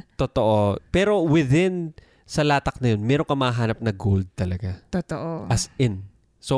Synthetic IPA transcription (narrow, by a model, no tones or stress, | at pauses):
t̪ot̪o̞ʔo̞pɛːɾo̞wɪðɪn | sɐlaːt̪ɐk̚nɐjo̞nmɛːɾo̞ŋkɐmɐhɐɦaːnɐp̚nɐɡold̪̚t̪ɐlɐɡat̪ot̪oʔoʔɐsʔɪn | so